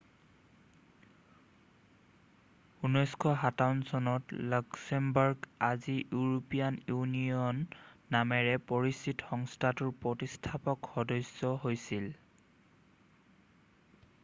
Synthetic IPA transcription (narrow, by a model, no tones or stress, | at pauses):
unɔjskʰɔɦataunsɔnɔtlɔksɛmbɔɹɡazijuɹopijanjuniɔnːamɛɹɛpɔɹisitxɔŋstʰatʊɹpɔtistʰapɔkxɔdɔjsɔɦojsil